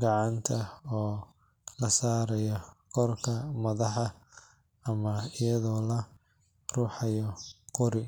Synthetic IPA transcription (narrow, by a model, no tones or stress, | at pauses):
ɡɑʕɑnt̪ʰɐɔː | lɐsaːɾɛjɔkʰɔrkʰɐmɐðɑħɑ | ɐmɐɪjɐðɔːlɐ | ruːħɑjɔqʊɾɪ